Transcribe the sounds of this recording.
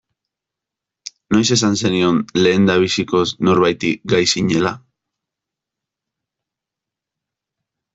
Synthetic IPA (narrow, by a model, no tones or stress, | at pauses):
no̞jse̞sanse̞nio̞nle̞ːnd̪aβ̞isiko̞sno̞ɾβajt̪iɡajsiɲe̞la